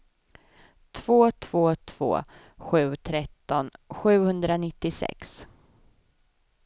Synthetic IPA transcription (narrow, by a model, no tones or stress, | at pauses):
t̪ʰv̥oːt̪ʰv̥oːt̪ʰv̥o̰ː | ɧʉ̟ːt̪ʰɾɛt̪ːɔnɧʉ̟ːhɵnd̪ɾanɪt̪ːɪsɛ̰ks